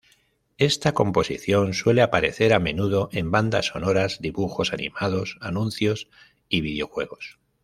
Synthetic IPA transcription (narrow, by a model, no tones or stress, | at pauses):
e̞st̪ako̞mpo̞sḭθjo̞nswe̞le̞apaɾe̞θe̞ɾamẽ̞nuðo̞ʔe̞mband̪a̰so̞no̞ɾazd̪iβuxo̞sanḭmaðo̞sanũnθjo̞s | iβiðjo̞xwe̞ɣ̞o̞s